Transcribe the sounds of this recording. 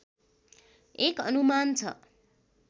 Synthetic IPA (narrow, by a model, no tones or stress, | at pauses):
ekʌnumant͡sʰʌ̰